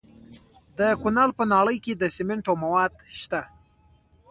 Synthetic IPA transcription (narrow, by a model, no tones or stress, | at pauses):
d̪əkʊnalpənɑɽəjked̪əsɪmeɳʈawmawɑd̪ʃt̪a